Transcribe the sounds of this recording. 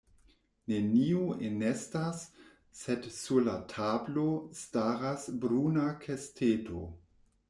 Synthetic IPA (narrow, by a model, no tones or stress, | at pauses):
neniuenestasː | edsulatʰablostaɾasbɾunakʰestʰeto̰